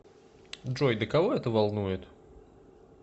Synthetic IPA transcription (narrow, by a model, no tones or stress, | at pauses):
dʐojd̪əkɐvoɛt̪əvɐlˠnujɪt̪